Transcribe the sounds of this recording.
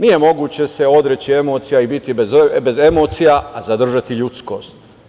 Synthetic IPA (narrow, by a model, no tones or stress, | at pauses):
nije̞mo̞ɡuːt͡ɕe̞se̞o̞d̪ɾet͡ɕie̞mo̞ːt̪sijaibit̪ibebeze̞moːt̪sijaazad̪r̩ʒat̪iʎut̪sko̞̰ːst̪